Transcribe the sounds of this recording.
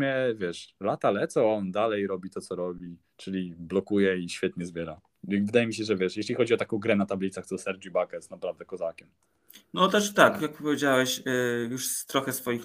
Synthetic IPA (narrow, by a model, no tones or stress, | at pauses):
mʲjɛvʲjɛʂlat̪alɛt̪sɔɔnd̪alɛjɾɔbʲit̪ɔt̪ɔɾɔbʲi | t͡ʂɘlʲiblɔkujɛiɕfʲjɛt̪̚ɲɛzbʲjɛɾa | ivɘd̪ajɛmʲiɕɛʐɛvʲjɛʂjɛɕlʲixɔd͡ʑiɔt̪akɔ̃w̃ɡɾɛnat̪ablʲit̪saxt̪ɔsɛɾd͡ʒibakɛsnapɾavd̪ɛkɔzakʲɛm | nɔt̪ɛʂt̪akjak̚pɔvʲed͡ʑawɛɕjuʂst̪ɾɔxɛsfɔjix